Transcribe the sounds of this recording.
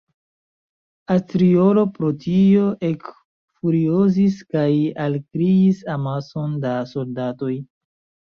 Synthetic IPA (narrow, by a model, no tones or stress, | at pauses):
astɾiolo̞pɾo̞tio̞ʔek | fuɾioziskajalkɾiisamaso̞ndaso̞ldato̞j